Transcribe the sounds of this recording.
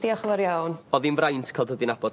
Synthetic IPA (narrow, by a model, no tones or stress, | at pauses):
ðiɔχvɔɾjawnɔðinvrajntʰkʰalˠdəðɪnab̥ɔd